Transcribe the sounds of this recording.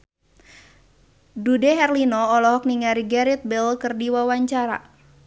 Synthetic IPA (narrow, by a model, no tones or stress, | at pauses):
dudɛɦɛrlinɔːlɔɦɔk̚niŋaɾiɡaɾit̪̚bɛlkɨrdiwawaɲt͡ʃaɾa̰